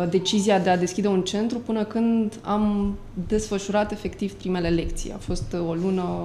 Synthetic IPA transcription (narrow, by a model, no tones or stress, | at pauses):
d̪e̞t͡ʃiziad̪e̞ad̪e̞skʲid̪e̞unt͡ʃe̞nt̪ɾupɨnəkɨnd̪am | d̪e̞sfəʃuɾat̪e̞fe̞kt̪iv̥pɾime̞le̞le̞kt̪sḭja̰fo̞st̪o̞lunə